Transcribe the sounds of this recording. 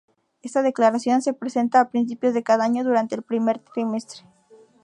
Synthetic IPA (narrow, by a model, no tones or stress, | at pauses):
e̞st̪að̞e̞klaɾasjo̞nse̞pɾese̞nt̪aːpɾinsipjo̞zðe̞kaðaaɲo̞ðuɾant̪e̞ːlpɾime̞ɾt̪ɾime̞st̪ɾe